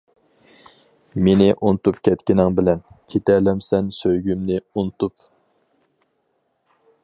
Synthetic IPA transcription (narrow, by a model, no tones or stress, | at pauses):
menɪʔunɨt̪upkʲʰɛt̪kʲɪnɪŋbɪlɛnkʲʰet̪ɛlɛmsɛnsøjɡʲymnɪunt̪up